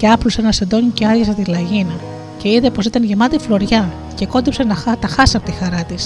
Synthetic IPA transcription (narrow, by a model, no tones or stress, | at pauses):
ceɐplusenɐsend̪o̞ɲiceɐɾʝɐsɐt̪ilɐʝinɐ | ce̞iðe̞po̞sit̪ɐnʝemɐt̪iflo̞ɾʝɐ | ce̞ko̞d̪ipsenɐt̪ɐxɐsɐpot̪ixɐɾɐt̪is